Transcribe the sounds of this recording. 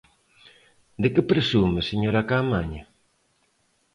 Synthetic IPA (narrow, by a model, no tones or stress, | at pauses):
d̪ekɪpɾesumeseɲoɾakamaɲɐ